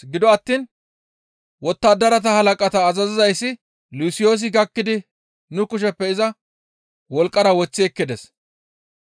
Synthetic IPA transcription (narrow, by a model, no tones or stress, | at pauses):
ɡɪd̪ɔɐt̪ːiːn | wɔt̪ːaːd̪ɐɾɐt̪̬ɐhɐlɐkʼɐt̪ɐːzɐzɪzɐjsːɪ | lusɪjo̞ːs̬ɪɡɐkːɪd̪ɪ | nʊkʊʃ̬ɛpːɛɪzɐ | wɔlkʼːɐɾɐwɔt͡sːɪɛkːɪd̪ɛs